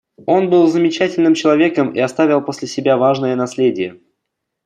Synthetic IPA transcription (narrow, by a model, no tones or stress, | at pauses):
o̞nbɨlˠzəmʲɪt͡ɕætʲɪlʲnɨmt͡ɕɪlˠɐvʲe̞kəmḭɐst̪avʲɪlˠpo̞sʲlʲɪsʲɪbʲavaʐnɨjənɐsʲlʲedʲɪjə